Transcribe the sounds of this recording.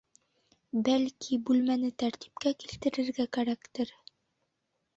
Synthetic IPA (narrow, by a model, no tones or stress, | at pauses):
bælkʰibʉlmænɘt̪æɾt̪i̥pkækilt̪ɘ̆ɾɘ̆ɾɡækæɾækt̪ɘɾ